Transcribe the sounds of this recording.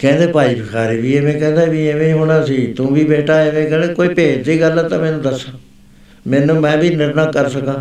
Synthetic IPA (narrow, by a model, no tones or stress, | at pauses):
kɛ̃ːnd̪eːpaːiːbəkʰaːɾiːʋiːeːmɛ̃ːkɛ̃ːnd̪aːʋiːeʋẽːɦoːɽ̃ãːsiːt̪ũːbiːbeːʈaːeʋẽːkɛːneːkoːiːpeːd̪iːɡəlãːt̪ãːmɛːnũːd̪əsãː | mɛːnũːmɛ̃ːbiːnɪɾnaːkəɾsəkãː